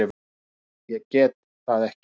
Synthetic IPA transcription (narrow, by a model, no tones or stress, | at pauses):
ɪ | jɛcɛːt̪ | θaðɛhc